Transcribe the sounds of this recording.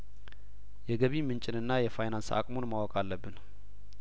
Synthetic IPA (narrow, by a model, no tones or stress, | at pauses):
jɛɡəβimɨnt͡ʃʼɪnɨnːajɛfajnansa̰kʼmonmawɔkʼalːəbːɨn